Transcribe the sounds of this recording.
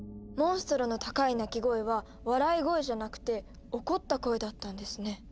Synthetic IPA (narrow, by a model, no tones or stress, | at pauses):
mõ̞ɰ̃sɨ̥t̪oɾo̞no̞t̪akainakʲiɡo̞e̞βa | βaɾaiɡo̞eʑanakɯ̟̥t̪e̞ | o̞ko̞t̪ːako̞e̞d̪at̪ːãnd̪e̞sɨne̞